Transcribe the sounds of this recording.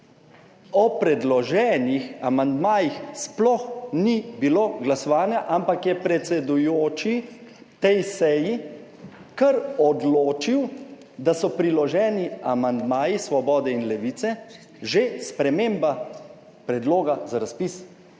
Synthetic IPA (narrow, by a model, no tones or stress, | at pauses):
ɔpɾɛd̪lɔʒɛːnixamand̪maːjixsplɔxnibiloːɡlasɔʋaːnjaʔampakjɛpɾɛt̪sɛd̪ujoːt͡ʃi | t̪ɛjsɛji | kəɾɔd̪loːt͡ʃiw | d̪asɔpɾilɔʒɛːniamand̪maːjisʋɔbɔːd̪ɛinlɛʋiːt̪sɛ | ʒespɾɛmeːmba | pɾɛd̪loːɡazaɾaspis